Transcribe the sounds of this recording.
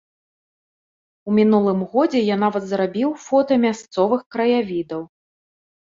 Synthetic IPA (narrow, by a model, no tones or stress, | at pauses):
umʲinulˠɨmɣɔd͡zʲɛjanavɐt̪zɾabʲiwfɔt̪ɐmʲast̪sɔvɨxkɾɐjavʲid̪ɐw